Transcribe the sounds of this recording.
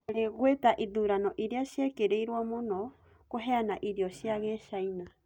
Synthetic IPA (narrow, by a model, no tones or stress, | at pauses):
ɾeɣwetaʔiðuːɾanɔʔiɾiaʃiekeɾeiɾwamonɔ | koɦeanaʔiɾiɔʃiaɣɛʃaina